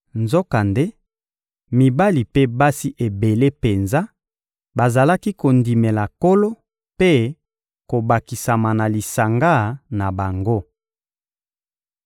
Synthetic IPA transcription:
nzo˦ka˨nde˦ | mi˨ba˦li˨pe˦ba˦si˦ʔe˨be˨le˦pe˨nza˦ | ba˨za˨la˦ki˦ko˨ndi˨me˨la˨ko˦lo˦ | pe˦ | ko˨ba˨ki˨sa˨ma˨na˨li˨sa˨ŋɡa˦˨na˨ba˨ŋɡo˦

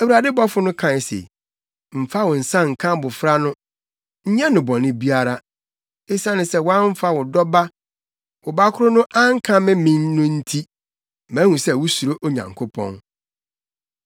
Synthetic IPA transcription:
æ˨wu˨ɾa˨dɪ˦bɔ˦fʊ˦nʊ̃˦kʰã˨sḛ˨ | m̩˨fa˦wʊ̃˨n̩˨sã˦ŋ̩˨kʰã˦bʊ˨fɾa˦nʊ̃˦ | ɲ̩˦ɲɛ̃˦nʊ̃˨bɔ̃˨nɪ̃˦bi˦a˦ɾa˦ | e˦sã˦nɪ̃˨sɛ˦˨wɔ˦a˦ɱ̩˦fa˦wʊ˨dɔ˦ba˦ | wʊ˨ba˦kʰʊ˦ɾʊ˦nʊ̃˦ʔã˦ŋ̩˦kʰã˦mɪ̃˦mĩ˦nːʊ̃˦n̩˦tʰi˦ | mã˨˦hũ˨sɛ˦˨wʊ˦su˨ɾo˦ʔo˦ɲã̰˨ŋkʰʊ˦pʰɔ̰̃˦n

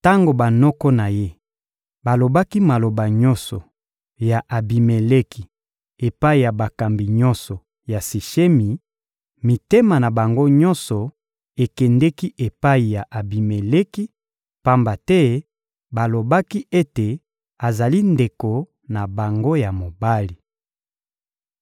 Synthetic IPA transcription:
ta˦ŋɡo˨ba˨nɔ˦kɔ˦na˨je˦ | ba˨lo˨ba˦ki˦ma˨lo˨ba˨ɲɔ˦nsɔ˨ | ja˨ʔa˨bi˨me˨le˦ki˨ | e˨pa˦i˨ja˨ba˨ka˨mbi˨ɲɔ̃˦nsɔ˨ | ja˨si˨ʃe˦mi˨ | mi˨te˦ma˨na˨ba˨ŋɡo˦ɲɔ̃˦nsɔ˨ | e˨kɛ˨ndɛ˦ki˦ʔe˨pa˦i˨ja˨ʔa˨bi˨me˨le˦ki˦ | pa˦mba˨tɛ˦ | ba˨lo˨ba˦ki˦e˦te˨ | a˨za˨li˦nde˨ko˨ | na˨ba˨ŋɡo˦ja˨mo˨ba˦li˨

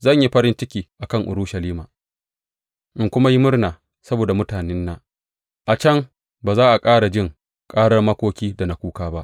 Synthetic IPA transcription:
zɐ˦˨ɲji˦ɸɐ˦ɾɪ˦nt͡ʃɪ˦kʲiː˨ʔa˨kɐ˦˨ŋʔʊ̰˨ɾʊ˦ʃɐ˨liː˦maː˨ | ʔɪ˦˨ŋkʷʊ˦ma˦ji˦mʊ˦rnaː˨ | sɐ˦boː˨da˨mʊ˦taː˨nɛ˦nːaː˦ | ʔa˨t͡ʃɐ˦ŋ | baː˨zaː˦ʔa˨kʼaː˦ɽa˨d͡ʒɪ˦˨ŋ | kʼaː˦ɽɐ˦rmɐ˦kʷoː˦kʲiː˦da˨na˨˦kʷuː˦kaː˦ba˦ʔ

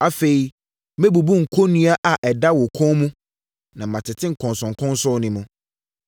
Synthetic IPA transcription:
a˨fe˨i˨ | mɛ˦bu˨bu˦ŋ̩˨kʰo˦nũ˦a˦ʔa˨ʔɛ˨da˦wʊ˨kʰɔ̃˦mũ˦ | nã˨m̩˨mã˨tʰɪ˨tʰɪ̃˦ŋ̩˨kʰɔ̃˨nsɔ̃˨ŋ˨kʰʊ̃˦n˦sʊ˦nɪ̃˦mũ˨

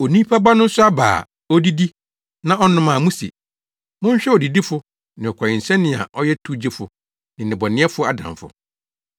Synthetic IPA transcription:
o˨nĩ˦pʰa˦ba˦nʊ̃˦n̩˦sʊ˦a˦ba̰ː˨ | ɔ˦di˦di˦ | nã˦ʔɔ˦nʊ̃˦mã˨mũ˦sḛ˨ | mʊ̃˦ɲ˦ɕᶣɛ˦ɔ˨di˨di˦fʊ˦ | nɪ̃˨ɔ˨kʰʷa˨ɪ˨n̩˨sɛ̃˦nɪ̃˨a̰˨ʔɔ˦jɛ˦tʰu˦d͡ʑi˦fʊ˨ | nɪ̃˨nɪ̃˨bɔ˨nɪ̃˦ɛ˦fʊ˦a˨dã̰˨ɱfʊ̰˨

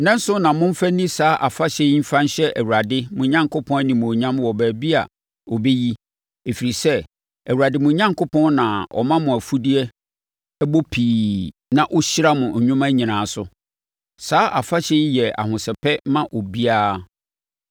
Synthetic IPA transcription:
nɛ̃˦n˦sʊ˦nã˨mʊ̃˦m̩˦fæ˦nĩ˦saː˨˦ʔa˨fa˦ɕɛ˦m̩˦fã˦n˦ɕɛ˦ʔæ˨wu˨a˨dɪ˦mʊ̃˨˦ɲã˦ŋkʰʊ˦pʰɔ̃˦nĩ˨m̃˨ɔ˨ɲã˦mwɔ˨bæː˨bi˦a̰˨ | ɔ˨be˦ji˦ | e˨fi˨ɾi˨sɛ˦ | æ˨wu˨a˨dɪ˦mʊ̃˨˦ɲã˦ŋko˦pʰɔ̃˦nnã˨ɔ̰˨mã˦mʊ̃˨æ˨fu˦di˦ɛ˦ | bo˦pʰiː˨nã˨ʔʊ˦ɕɪ˦ɾa˦mʊ̃˨ɲʊ̃˦mã˦ɲĩ˨nãː˨sʊ˨ | saː˦ʔa˨fa˦ɕɛ˦jɛ˨a̰˨hʊ̃˨sɛ˨pʰɛ˦mã˦ʔɔ˨bi˦aː˦

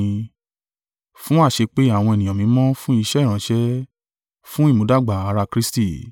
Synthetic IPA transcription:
fũ˦a˦˨ʃe˧k͡pe˦a˦˨w̃ɔ̃˧e˨nĩ˨ɔ̃˨mĩ˨˦mɔ̃˦fũ˦i˧ʃɛ˦ɾ̃ã˨˦ʃɛ˦ | fũ˦i˦˨mo˨˦da˦˨ɡ͡ba˨a˨˧ɾa˧kɾi˦sti˦˨

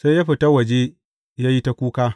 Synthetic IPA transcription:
sa˦ja˦ɸi˨ta˦wɐ˨d͡ʒe˦ | jaː˦ji˦ta˦kʷuː˦kaː˦

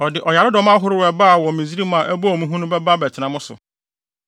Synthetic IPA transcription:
ɔ˨dɪ˨ʔɔ˨ja˨ɾɪ˦dɔ˦m˦ã˦ɦʊ˦ɾɪ˦wɛ˨ba˦˨wɔ̃˨mĩ˨zi˦ɾi˦mã˨ʔæ˦bɔ˦ɔ˨mũ˦ɦũ˦nʊ̃˦bɛ˦ba˦bɛ˨tʰɪ˨nã˨mʊ̃˦sʊ̰˨

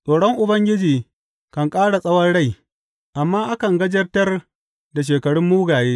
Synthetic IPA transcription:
sʼoː˨ɽɔ˦ŋʔʊ˨bɐ˦ŋɡʲɪ˦d͡ʒiː˨ | kɐ˨ŋkʼaː˦ɽa˨sʼɐ˦wɐ˦nɽa˦˨j | ʔa˨mːaː˦ʔa˦kɐ˨ŋɡɐ˦d͡ʒɐ˦rtɐ˦r | da˨ʃ̬eː˨kɐ˨ɽʊ˦mːuː˦ɡaː˨jeː˦

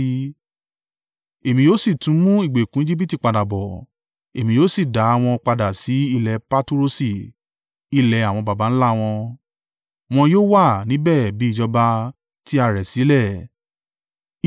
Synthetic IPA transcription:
e˨mĩ˧joː˦si˦˨tũ˨˦mũ˦i˦˨ɡ͡be˨kũ˦i˦d͡ʒi˦bi˦ti˦˨k͡pa˧da˨bɔ˨ | e˨mĩ˧joː˦si˦˨da˨˦a˧w̃ɔ̃˧k͡pa˧da˨si˨˦i˦˨lɛ˧pa˧tu˦ɾo˧si˨ | i˦lɛ˨˧a˨w̃ɔ̃˧ba˨ba˨˦n̩˦la˦˨w̃ɔ̃˧ | w̃ɔ̃˧joː˦wa˦˨nĩ˨˦bɛ˦˨bi˨˦i˦˨d͡ʒɔ˧ba˧ | ti˦a˦˨ɾɛ˨si˨˦lɛ˦˨

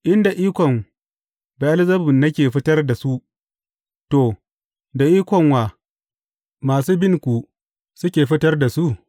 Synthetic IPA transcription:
ʔɪ˦nda˨ʔiː˦kʷɔ˨m | ba˨ʔa˦lzɐ˦bʊ˨nːɐ˦kʲeː˨ɸɪ˦tɐ˦rda˨su˦ʔ | toː˨ | da˨ʔiː˦kʷɔ˨ŋwaː˨ | maː˨suː˦bɪ˦ŋkʷu˨ | sʊ˦kʲeː˨ɸɪ˦tɐ˦rda˨su˦ʔ

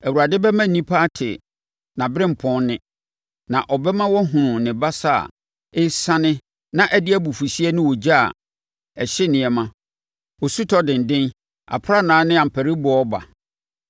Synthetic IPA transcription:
æ˨wu˨ɾa˨dɪ˦bɛ˦mã˦˨nĩ˦pʰa˦tʰɪ̰˨ | nã˨bɾɪ̃˦m̩˨pʰɔ̃˦nnɪ̃˦ | nã˨ʔɔ˨bɛ˦mã˦wɔ˦ɦʊ̃˨nʊ̃˨nɪ̃˨ba˦sa˦˨a̰˨ | ɪ˦sã˦nɪ̃˦ | nã˨ʔɛ˦dɪ˦æ˦bu˨fu˨si˦ɛ˦nʊ̃˦wɔ˨d͡ʑa˦a̰˨ | ɛ˨ɕɪ˦nɪ̃˨ɛ˨mã˦ | ɔ˨su˦tʰɔ˦dɪ̃˨n̩˨dɪ̃˦n | a̰˨pʰʊ˦ɾa˦nãː˨˦nɪ̃˦a˨m̩˨pʰæ˨ɾi˦bɔ˨ɔ˦ba̰˨

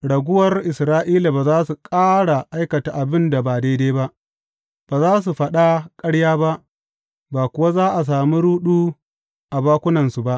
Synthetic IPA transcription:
ɽɐ˨ɡʷʊ˦wɐ˨rʔɪ˨sɾaː˦ʔiː˦la˨baː˨zaː˦su˨kʼaː˦ɽa˨ʔa˦jkɐ˨ta˨ʔa˨bɪ˦nda˨baː˨de˦deː˦ba˦ʔ | b̥aː˨zaː˦s̬u˨ɸɐ˦ɗa˦kʼɐ˦ɽjaː˦ba˦ʔ | baː˨kʷʊ˨wa˦zaː˦ʔa˨s̬aː˨mi˦ɽuː˦ɗuː˦ | ʔa˨baː˦kʷʊ˦nɐ˨nsu˨ba˦ʔ

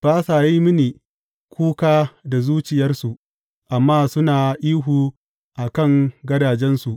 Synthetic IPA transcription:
baː˦saː˨ji˦mɪ˦niː˨ | kʷuː˦kaː˦da˨zuː˦t͡ʃɪ˨jɐ˦rsu˨ʔ | ʔa˨mːaː˦sʊ˦naː˨ʔiː˦ɦuː˨ | ʔa˨kɐ˦ŋɡɐ˦daː˨d͡ʒɛ˦nsu˨ʔ

